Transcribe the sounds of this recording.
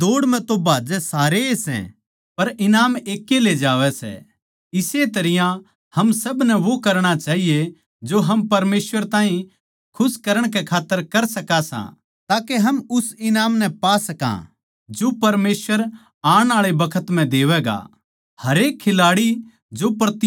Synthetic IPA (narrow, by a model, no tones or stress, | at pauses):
d̪oːɽmɛ̃t̪obʱaːd͡ʒɛsaːɾeesɛ̰̃ | pɐɾɪnaːmeːkːeled͡ʒaːʋɛsɛ̰ | ɪset̪ɐɾɪjã | hɐmsɐbnɛʋokɐɾɽ̃at͡ʃaːɦije | d͡ʒoɦɐmpɐɾmeːsʋəɾt̪ãːɦĩ | kʰʊskɐɾəɽ̃kɛkʰaːt̪ːəɾkɐɾsɐkasã̰ | t̪aːkeɦɐmʊsɪnaːmnɛpaːsɐkã̰ | d͡ʒopɐɾmeːsʋəɾ | aːɽ̃aːɭebɐkʰət̪m̤ɛ̃d̪eːʋɛːɡa̰ | hɐɾeːkʰːɪlaːɽi | d͡ʒopɾɐt̪